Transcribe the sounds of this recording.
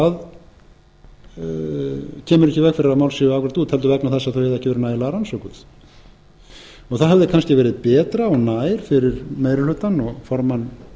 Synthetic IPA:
að | cʰɛːmʏɾɛcɪvɛkfɪɾɪɾamaːwlsivawkʰvɾḁt̪uːðt̪hɛlt̪̬ʏvɛknaθɛsaθœwvɛðaɛcɪvɛɾɪnaːjðɪlaːɾansɔkʏθ | ɔɣθaðɦɛvðɪkʰanscɪvɛːɾɪðpɛːt̪ɾaɔɣnaːjɾ̥fɪɾɪɾmeːjɾɪlʏːt̪anɔɣfɔɾman

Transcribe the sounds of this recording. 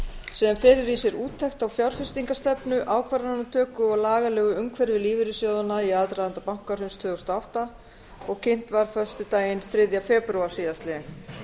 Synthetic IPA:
sɛːðanfɛːɾɪɾisjɛɾuːt̪ʰːɛxt̪awfjawɾ̥fɪst̪iŋkast̪ɛpnʏʔaːwkʰvaɾaanːat̪ʰœːkʏɔɣlaːɣalɛːɣʏʏŋkʰvɛɾvɪliːvɪɾɪsjoːwðanaiaːðt̪ɾajðant̪apawŋ̥kaɾ̥hʏnst̪ʰœːðɔst̪aawht̪a | ɔɣcʰɪn̥t̪vaɾ̥fœ̥st̪ʏt̪aːjɪnθɾɪðjafɛːpɾuaɾ̥siːðast̪lɪ

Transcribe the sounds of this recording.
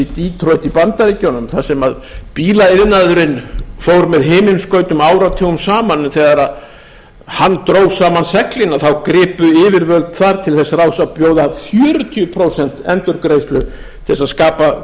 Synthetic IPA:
it̪iːt̪ʰɾoɥt̪ipant̪aɾicownʏmθasɛmaðpiːlaɪðnaðʏɾɪnfowɾmɛðɦeːmɪnskœːɥt̪ʏmaːwɾat̪ʰɛːɣʏmsaːmanːʏmθɛɣaɾað | hanːt̪ɾoːwsaːmansɛklɪnːaθawkɾɪːpʏɪːvɪɾvœlt̪θaɾt̪ʰɪlθɛsːaraːwsaðpjoːwðafjœːɾʏt̪ʰiʏpʰɾoːwsɛn̥t̪ɛ̰nt̪ʏɾkɾejst̪lʏ | t̪ʰɪɛsaðskaːpa

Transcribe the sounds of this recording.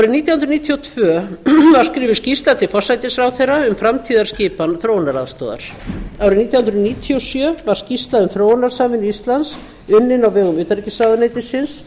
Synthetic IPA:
awɾɪniːt̪jawhʏnɾniːt̪ʰiɔwt̪ʰvœːvaɾ̥skɾɪːvɪscist̪lat̪ɪfɔsajt̪ɪsɾawθejrːaʏmfɾamt̪ʰiːðaɾ̥scɪːpanθɾoːwnaɾa̰ðst̪o̰ːða̰ɾ̥aːwɾɪniːt̪jahʏnɾʏniːt̪ʰiɔsjœːvaɾ̥scist̪laðʏmθɾoːwnːaɾ̥saːmvɪnist̪lans | ʏnːɪnawvɛːɣʏmʏːt̪aɾicɪsaːðʏnejt̪ɪsɪns

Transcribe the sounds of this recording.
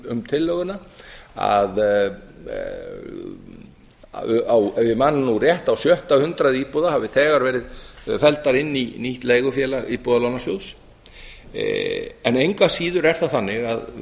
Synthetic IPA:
ʏmt̪ʰɪlːœɣʏnaa̰ð | awɛvɪmanːnurjɛht̪awsjœht̪awhʏnt̪ɾaðiːpɔðahavɪθɛːɣaɾvɛːɾɪðfɛlt̪aɾɪnːiniht̪lejɣʏfjɛːlaɣipɔðalawnasjows | ɛnejŋkvasiːðʏɾɛɾ̥θaθanːɪɣað

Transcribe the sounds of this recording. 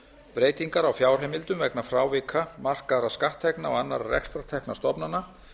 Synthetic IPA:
pɾeːjt̪iŋkaɾawfjaːwr̥ɦejmɪlt̪ʏmvɛknafɾaːwvɪkʰamar̥kaðɾaskaht̪ʰːɛhknaɔ̰ɣanːa̰ɾarɛ̰kst̪ɾat̪ʰɛhknast̪ɔpnanːa

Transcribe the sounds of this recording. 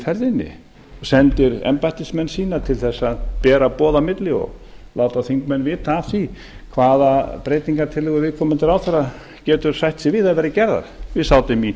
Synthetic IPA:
fɛɾðɪnːɪ̰ | sɛnt̪ɪɾɛ̰mpajht̪ɪsmɛnːsiːnat̪ʰɪlθɛsːaðpɛːɾapɔːðamɪt̪lɪɔ̰ɣlaːwt̪aθiŋkmɛnːvɪːt̪afθi | kʰvaːðapɾejt̪iŋkaɾt̪ʰɪlʏɣʏɾvɪðkʰɔːmɪnt̪ɪɾaːwθaɾa | cɛːt̪ʏɾ̥sajht̪sɪvɪðaðvɛːɾɪcɛɾða̰ɾ̥vɪðsaːwt̪ɪmi

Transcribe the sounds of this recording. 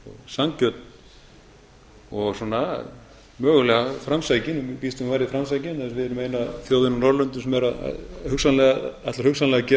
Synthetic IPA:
ɔɣsaŋcœt̪n̥ | ɔɣsɔna | mœːɣʏlɛɣafɾamsaːjcɪnpiːst̪ʏmvaːjɾɪfɾamsajcɪnɛɪsvɪðɛɾʏmeːjnaθjoːwðɪnanɔɾlœnt̪ʏsɛmɛɾaða̰hʏksanlɛɣaat̪aɾhʏksanlɛɣacɛ

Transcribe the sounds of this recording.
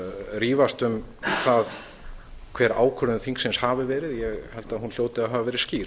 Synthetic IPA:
riːvast̪ʏmθað | kʰvɛːɾa̰ːwkʰœɾʏnθiŋksenshaːvɪvɛːɾɪðjɛɣhɛlt̪aðɦunljoːwt̪ɪaðɦavavɛːɾɪsciː

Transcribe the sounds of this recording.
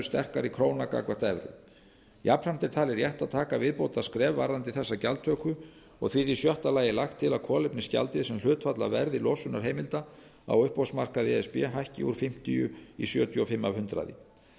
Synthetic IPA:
st̪ɛr̥kaɾikʰɾoːwnaka̰kvaht̪ɛvɾʏ̰ | japɾɛm̥t̪ɪɾt̪ʰaːlɪɾjɛht̪aðt̪ʰaːkavɪðpoːwt̪askɾɛːvːaɾðant̪ɪθɛsːacalt̪ʰœkʏ | ɔ̰ɣθviðisjœht̪alaːjɪlaxt̪ʰːɪlaðkʰɔːlɪpnɪsca̰lt̪ɪðsɛmlʏːt̪fat̪la̰vɛɾðɪlɔːsʏnaɾ̥ɦejmɪlt̪a | a̰wʏhpɔsmar̥kaðɪɛspɛ̰ːɦajhcɪṵɾ̥fɪm̥t̪iʏ̰isjœːt̪jʏɔfɪmːavhʏnt̪ɾa̰ðɪ̰

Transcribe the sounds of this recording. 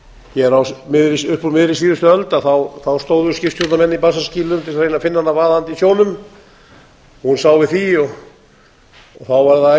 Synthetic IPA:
jɛɾawmɪðɾɪsʏhpɾuɾmɪðɾɪsiːðʏst̪ʏœlt̪aθawθawst̪owðʏscɪfst̪ʰjowt̪namɛnːipasasciːlʏmt̪ʰɪlɾrejnafɪnːanːavaːðant̪isjoːwnʏm | hunsaːwvɪθiɔɣ | θawvaɾða

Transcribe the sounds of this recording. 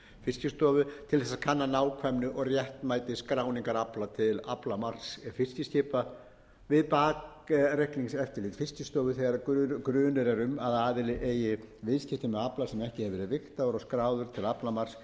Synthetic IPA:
fɪscɪst̪ɔːvʏt̪ʰɪlθɛsːakʰanːanaːwkʰvɛmnʏʔɔɣrjɛht̪maːjt̪ɪskɾaːwniŋkaɾaplat̪ʰɪlaplamar̥sfɪscɪscɪːpa | vɪðpaːk | ɾɛhkliŋsɛft̪ɪɾlɪːt̪fɪscɪst̪ɔːvʏθɛɣaɾkkɾʏːnʏɾɛɾʏmaðaːðɪlɪʔeːjɪvɪðscɪht̪ɪmɛaplasɛmɛhcɪhɛvɪɾɪvɪht̪aɔɾɔskɾaːwðʏɾ̥t̪ʰɪlaplamar̥s

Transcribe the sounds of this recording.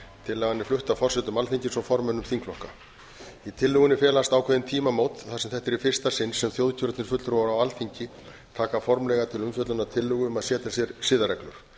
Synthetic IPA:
t̪ʰɪlːɛɣanːɪflʏht̪afɔrsɛt̪ʏmalθiɲcɪsɔwfɔɾmœnʏmθiŋklɔhka | it̪ʰɪlːʏɣʏnɪfjɛːlast̪aːwkʰvɛðɪnt̪ʰiːmamoːwt̪θasɛmθɛht̪ɛɾifɪr̥st̪asɪnsːɛmθjowðcʰʏɾt̪nɪsfʏt̪ʏɾvɔɾawalθiɲcɪ | t̪ʰaːkafɔɾmlɛɣat̪ʰɪlʏmfjœt̪lʏnat̪ʰɪlːʏɣʏʏmaðsjɛːt̪asjɛɾsɪːðaɾɛklʏ̰ɾ̥

